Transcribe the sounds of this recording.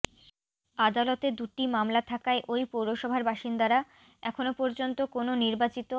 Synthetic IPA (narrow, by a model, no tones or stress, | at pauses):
ad̪alot̪ed̪uʈimamlat̪ʰakaeʔojpowɾoʃɔbʱaɾbaʃind̪aɾa | ɛkʰonopɔɾd͡ʑont̪okononiɾbat͡ɕit̪o